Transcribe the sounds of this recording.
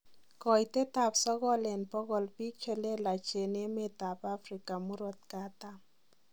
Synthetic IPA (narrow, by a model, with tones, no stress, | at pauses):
kɔ˨jte˦ta˨psɔ˦ɣɔ˦lɛ˨npɔ˦ɣɔ˨lpi˦k̚t͡ʃe˨le˦la˨t͡ʃe˨ne˦me˦t̪a˨pa˦fɾɪ˨ka˨mu˦ɾɔ˦t̪̚ka˦t̪a˦